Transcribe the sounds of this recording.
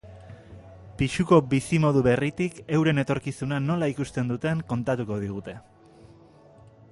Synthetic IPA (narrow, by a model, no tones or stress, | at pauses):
piʃuko̞bisimo̞ð̞uβe̞rit̪ike̞wɾe̞ne̞t̪o̞ɾkisunano̞laikust̪e̞nd̪ut̪e̞ŋko̞nt̪at̪uko̞ð̞iɣ̞ut̪e̞